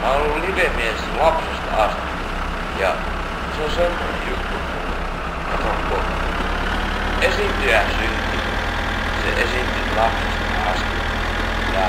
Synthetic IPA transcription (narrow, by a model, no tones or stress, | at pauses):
mɑolːulliʋemieslɑpsest̪ɑst̪i | jɑ | seosemːonḛjut̪ːukul | ɑt̪oŋko | esint̪yjæsynt̪ːyn | sḛʔesint̪ytlɑpsest̪ | ɑst̪i | jɑ